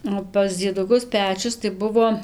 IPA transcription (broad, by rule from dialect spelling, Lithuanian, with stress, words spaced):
oː pɐs d͡zʲiɛdʊˈkʊs ˈpʲæːt͡ʃʲʊs tɐɪ ˈbʊʋoː